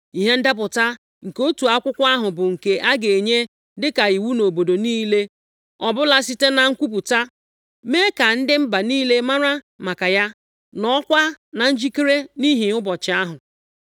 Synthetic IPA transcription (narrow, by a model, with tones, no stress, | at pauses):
i˨ɦe˦n̩˦da˦pʊ˨ta˦ | ŋ̩˨ko˦tu˨a˦kʷʊ˦kʷa˦ɦʊ˨bʊ˨ŋ̩˨ke˨ʔa˦ɡe˨ɲe˦ | dɪ˦ka˨i˨wu˦no˨bo˨do˨niː˦le˦ | ɔ˨bʊ˦la˦si˦te˦na˨ŋ̩˦kʷu˦p̬u˨ta˦ | me˦ka˨n̩˦dɪ˦m̩˦ba˨niː˦le˦ma˦ɾa˦ | ma˨ka˨ja˦ | nɔ˦kʷa˦na˨n̩˦d͡ʒi˦ki˦ɾe˦ni˦ɦi˨ʊ˦bɔ˨t͡ʃɪ˨a˦ɦʊ˨